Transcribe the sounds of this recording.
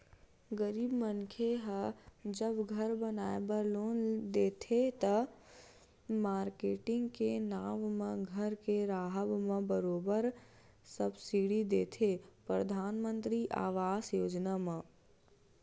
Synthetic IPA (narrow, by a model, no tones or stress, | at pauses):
ɡəɾiːbmənkʰeɦəd͡ʒəbɡʱəɾbənaːebəɾloːnd̪eːt̪ʰet̪ə | maːɾkeːʈɪ̃ŋɡkenaːmmẽɡʱəɾkeɾaːɦəbmẽbəɾoːbəɾ | səbsiɽid̪eːt̪ʰepɾəd̪ʱaːnmə̃nt̪ɾiʔa̰ːʋaːsjoːd͡ʒnamə̃